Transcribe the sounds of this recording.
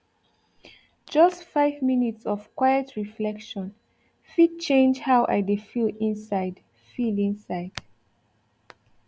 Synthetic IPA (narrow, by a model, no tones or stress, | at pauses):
d͡ʒʌstfaɪvminitsɔvkwajətʰɹiflɛkʃɔ̃n | fit̚t͡ʃẽnd͡ʒhawʔa̰jdefilĩnsaɪd | filĩnsaɪd̥